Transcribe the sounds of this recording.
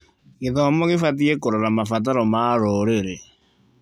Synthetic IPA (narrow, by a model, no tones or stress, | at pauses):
ɣeðɔmɔɣefatiekoɾoɾamafat̬aɾɔmaɾoɾeɾe